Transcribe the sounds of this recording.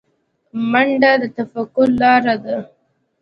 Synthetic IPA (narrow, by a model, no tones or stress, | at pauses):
maɳɖad̪ət̪afakːʊllɑɾad̪a